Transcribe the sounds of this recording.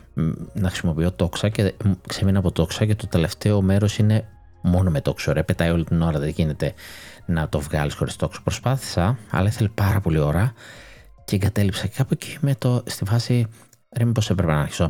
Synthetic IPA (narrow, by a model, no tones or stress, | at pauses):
nɐxɾisimo̞pio̞t̪o̞ksɐceksemenɐpo̞t̪o̞ksɐcet̪ot̪e̞le̞ft̪e̞o̞me̞ɾo̞sine̞ | mo̞nomet̪o̞ksoɾeɐpe̞t̪ɐjo̞lit̪ino̞ɾɐðeʝine̞t̪e̞nɐt̪o̞vɣɐ̰lisxo̞ɾist̪t̪o̞kso̥pɾospɐθi̥sɐɐ̰lɐiθelipɐɾɐpo̞lio̞ɾɐ | ceːŋɡɐt̪e̞lipsɐcekɐpoci̥met̪ost̪ifɐsi | ɾempo̞sepɾepenɐɐɾçi̥so